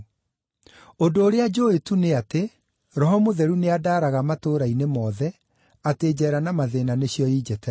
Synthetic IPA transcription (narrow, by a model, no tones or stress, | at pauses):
odoːɾead͡ʒoetuneate | ɾɔɦɔmoðɛɾuneadaːɾaɣamatoːɾainemɔðɛ | ateːd͡ʑɛːɾanamaðeːnaneɕjɔid͡ʑɛtɛ